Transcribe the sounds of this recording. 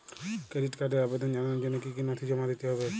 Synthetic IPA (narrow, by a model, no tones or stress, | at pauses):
kɾeɖiʈkaɾɖeabed̪ɔnd͡ʒananad͡ʒɔnɔkikinɔt̪ʰid͡ʒɔmad̪it̪eɦɔβe